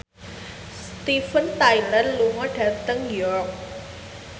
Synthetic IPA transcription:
st̪ifənt̪ajlərluŋɔɖart̪əŋjɔrk̚

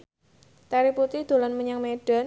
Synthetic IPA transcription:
t̪aɾiput̪id̪̥o̤lanməɲaŋmeɖ̥a̤n

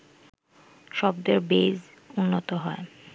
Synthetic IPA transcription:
ʃɔbd̪eɾbez | unːot̪oɦɔe

